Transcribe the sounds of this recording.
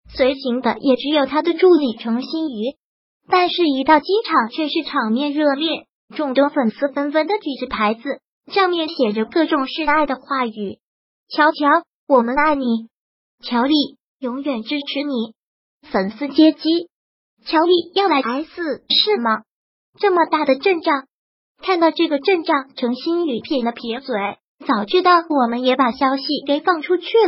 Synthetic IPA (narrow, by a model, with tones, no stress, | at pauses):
swe˧˥ɪɕi˧˥ŋd̪ə˧jʔɛ˨˩ʈ͡ʂɻ̩˧˥jo˨˩ʊt̪ʰa˥d̪ə˨ʈ͡ʂu˥˩li˨˩ʈ͡ʂʰɤ˧˥ŋɕi˥ny˧˥ | t̪a˥˧nʂɻ̩˥˩i˧˥t̪ɑ˥˩ʊt͡ɕi˥ŋʈ͡ʂʰɑ˨˩˦ŋt͡ɕʰɥɛ˥˧ʂɻ̩˥˩ʈ͡ʂʰɑ˨˩ŋmjɛ˥˧nɻɤ˥˧ljɛ˥˩ | ʈ͡ʂʊ˥˧ŋt̪wʊ˥ŋfə˨˩nsɹ̩˥˧fə˥nfə˥nd̪ə˨t͡ɕi˨˩ʈ͡ʂɻ̩˧˥˩pʰa˧˥ɪd͡zɹ̩˧ | ʂɑ˥˧ŋmjɛ˥˩nɕjɛ˨˩ʈ͡ʂə˦kɤ˥˩ʈ͡ʂʊ˨˩ŋʂɻ̩˥˧a˥˩ɪd̪ə˩xwa˥˩y˨˩˦ | t͡ɕʰjɑ˧˥ʊt͡ɕʰjɑ˧˥ʊ | wɔ˨˩mə˦na˥˩ɪni˨˩˦ | t͡ɕʰjɑ˧˥ʊli˥˩ | jʊ˧˥ŋɥɛ˨˩nʈ͡ʂɻ̩˥ʈ͡ʂʰɻ̩˧˥ni˨˧˩ | fə˨˩nsɹ̩˥˩t͡ɕjɛ˥t͡ɕi˥ | t͡ɕʰjɑ˧˥ʊli˥˩jɑ˥˩ʊla˧˥ɪa˧˥ɪd͡zɹ̩˧ʂɻ̩˥˩mɐ˩ | ʈ͡ʂɤ˥˩mə˩t̪a˥˩d̪ə˩ʈ͡ʂə˥˧ŋʈ͡ʂɑ˥˩ŋ | kʰa˥˧nt̪ɑ˥˧ʊʈ͡ʂɤ˥˩ɡə˩ʈ͡ʂɤ˥˧ŋʈ͡ʂɑ˥˩ŋʈ͡ʂʰɤ˧˥ŋɕi˥ny˨˩pʰjɛ˥˩nd̪ə˧pʰi˧˥swe˧˥ɪ | t͡sɑ˨˩ʊt͡ɕʰy˥˧t̪ɑ˥˩ʊwɔ˨˩mə˦njɛ˧˥pa˨˩ɕjɑ˥ʊɕi˨ke˧˩ɪfɑ˥˩ŋʈ͡ʂʰu˥t͡ɕʰy˥˩